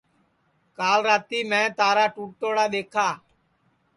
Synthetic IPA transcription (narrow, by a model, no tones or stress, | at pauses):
kaːlɾaːt̪iːmɛ̃ːt̪aːɾaːʈuːʈ̚t̪oːɽaːɗ̪eːkʰaː